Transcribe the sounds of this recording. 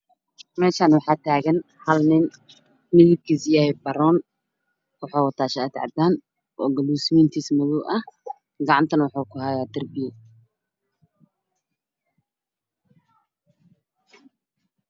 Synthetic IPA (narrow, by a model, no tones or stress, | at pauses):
mɛːʃaːnwɑħɑːt̪ʰaːɣɐn | hɐlnɪn | mɪðɪb̚kʰiːsjahɛbɐɾɔːn | wɑħɑːwt̪ʰaːʃɛɐt̪ʕɑ̰d̪aːn | ʔɔːɡɐluːsmɪnt̪ʰiːsmʊðʊʔɐh | ɡɑʕɑnt̪ʰɐnwɑħuːkʰʊhajaːd̪ɐrbɪjɛ